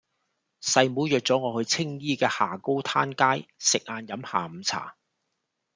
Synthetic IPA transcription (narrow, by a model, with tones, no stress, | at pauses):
sɐ˧jmuː˨˥jœː˨k̚t͡sɔː˨˥ŋɔː˨˧hɵ˧ɥt͡sʰɪ˥ŋjiː˥kɛː˧haː˨˩ko˥wt̪ʰaː˥nkaː˥jsɪ˨k̚aː˧njɐ˨˧˥mha̰ː˨˩m̩˨˧t͡sʰa̰ː˨˩